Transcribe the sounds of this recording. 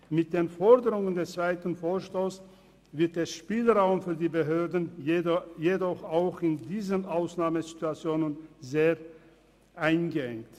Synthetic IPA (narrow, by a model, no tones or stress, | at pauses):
mɪt̚d̥eːnfɔɐdəʁʊŋəndɛst͡sv̥aɪtn̩foːɐʃtoːs | vɪɐt̚d̥eːɐʃpiːlʁaʊmfyːɐdiːbəɦøːɐdn̩ | jedɔχaʊxɪndiːzənʔaʊsnaːməzituat͡sjoːnənzeːɐ | ʔaɪnɡəɛ̰ŋkt